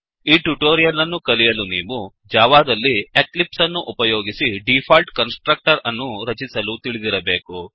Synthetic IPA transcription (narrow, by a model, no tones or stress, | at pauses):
iːʈuʈoːɾijɐlɐnːukɐlijɐluniːʋu | d͡ʒaːʋaːd̪ɐlːieklipsɐnːuʔupɐjo̞ːɡisiɖipʰaːlʈkɐnsʈɾɐk̚ʈɐɾɐnːuɾɐt͡ʃisɐlut̪iɭid̪iɾɐbe̞ːku